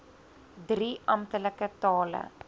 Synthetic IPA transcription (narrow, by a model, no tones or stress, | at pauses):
driʔɐmtələkətɑːlə̰